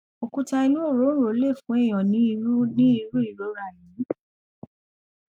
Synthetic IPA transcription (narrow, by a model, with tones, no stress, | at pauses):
o˨ku˧ta˧i˧nũ˦o˦˨ɾo˨˦ɾo˨˦le˦˨fũ˨˦e˦˨j̃ɔ̃˨nĩ˨˦i˧ɾu˦nĩ˦i˧ɾu˦i˦˨ɾo˨˦ɾa˦˨jĩ˨˦